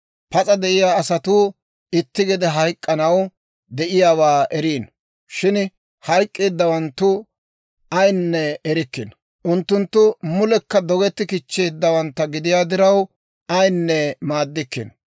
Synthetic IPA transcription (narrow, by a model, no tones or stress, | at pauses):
pɐt͡sʼɐd̪ɛʔɪjaːsɐt̪uː | ɪt̪ːɪɡɛd̪ɛɦɐjkʼːɐnɐw | d̪ɛʔɪjaːwaːʔɛɾiːn | ʃɪn | hɐjkʼːeːd̪ːɐwɐnt̪ːʊ | ɐjnːɛːɾɪkːɪn | ʔʊnt̪ːʊnt̪ːʊmʊlɛkːɐd̪ɔɡɛt̪ːɪkɪt͡ʃːeːd̪ːɐwɐnt̪ːɐɡɪd̪ɪjaːd̪ɪɾɐw | ɐjnːɛmaːd̪ːɪkːɪ̰n